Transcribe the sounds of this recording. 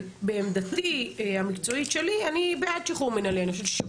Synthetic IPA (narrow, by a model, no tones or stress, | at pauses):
beːmd̪at̪ihamikt͡so̞itʃe̞lianibead̪̚t͡ʃiχumenalenaʃe̥ʃ